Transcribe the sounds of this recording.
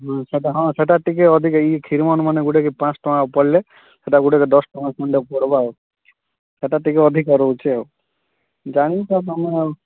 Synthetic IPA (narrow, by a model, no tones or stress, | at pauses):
ɦɔ̃seʈaɦɔ̃seʈaʈikeɔd̪ʱikikʰiɾimɔnmaneɡuɽekepãt͡ʃʈɔmãpɔɽle | seʈaɡuɽeked̪ɔsʈɔnasɔɳɖepɔɽba | seʈaʈikeɔd̪ʱikɔɾot͡ʃʰe | d͡ʒaɽ̃it̪at̪ɔme